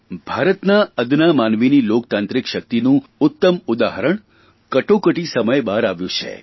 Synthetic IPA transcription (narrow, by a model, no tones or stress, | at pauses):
bʱaɾət̪naəd̪namanʋinilok̚t̪ãnt̪ɾikʃək̚t̪inũʊt̪ːəmʊd̪aɦəɾəɳ | kəʈokəʈisəməjbaɾaʋjũt͡ʃʰḛ